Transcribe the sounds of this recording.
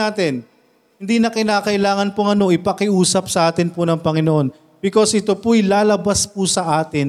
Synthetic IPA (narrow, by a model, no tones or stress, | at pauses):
aːt̪ɪn | hɪnd̪iːnɐkɪnaːkɐʔɪlaːŋɐnpʊŋɐno̞ʔɪpɐkɪʔuːsɐp̚sɐʔaːt̪ɪnpʊnɐŋpɐŋɪnoʔo̞n | bɪko̞sʔɪt̪opʊjlaːlɐbaspʊsɐʔaːt̪ɪn